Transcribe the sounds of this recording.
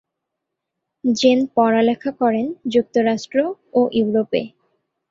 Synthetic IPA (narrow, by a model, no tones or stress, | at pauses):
d͡ʑenpɔɾalɛkʰakɔɾend͡ʑuk̚t̪oɾaʃʈɾooʔjuwɾopḛ